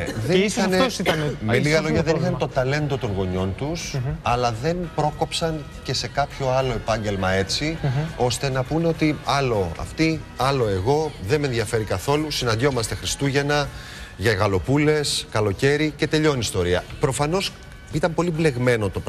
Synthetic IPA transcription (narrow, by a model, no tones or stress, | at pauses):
ðeɐneosit̪ɐnmeliɣɐloʝɐðenixɐnet̪o̞t̪ɐle̞nd̪o̞t̪o̞ŋɣo̞ɲo̞nt̪usɐlɐðe̞npɾo̞ko̞psɐn | ce̞se̞kɐpço̞ɐlo̞e̞pɐɲɟe̞lmɐe̞t͡sio̞st̪e̞nɐpuneo̞t̪iɐlo̞ɐ̰ft̪i | ɐlo̞e̞ɣo̞ðeme̞nðjɐfe̞ɾikɐθo̞lusinɐnd̪ʝo̞mɐst̪e̞xɾist̪uʝe̞nɐ | ʝɐɣɐlo̞pule̞skɐlo̞ce̞ɾice̞t̪e̞ʎo̞nist̪o̞ɾiɐpɾo̞fɐno̞s | it̪ɐmpo̞lible̞ɣme̞no̞t̪o̞p